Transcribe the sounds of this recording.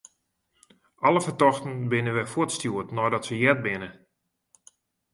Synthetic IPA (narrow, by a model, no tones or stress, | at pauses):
ɔləfərtɔxtən̩bɪnəʋɛfʊətstjuətnɔjdɔtsəjɛt̚bɪnə